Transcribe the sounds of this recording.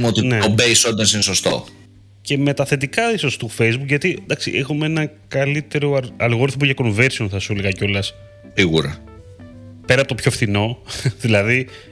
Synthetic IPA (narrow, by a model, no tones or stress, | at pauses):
mot̪ineobejsot̪̚esineso̞st̪o̞̰ | ce̞me̞t̪ɐθe̞t̪ikɐiso̞st̪ufe̞jzbukʝɐt̪id̪ɐksḭʔexumeenɐkɐlit̪e̞ɾo̞ɐɐlɣo̞ɾiθop̬uʝɐko̞nve̞ɾsio̞nθɐsuleɣɐco̞lɐs | iɣuɾɐ | pe̞ɾɐpot̪o̞pçofθino̞ðilɐði